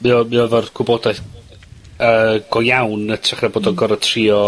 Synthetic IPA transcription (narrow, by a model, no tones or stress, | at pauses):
miɔmiɔvɔrɡʰwʊboːdajθ | əːɡ̥ɔjawnətʰraχraboːdɔɡɔɾətʰriːɔ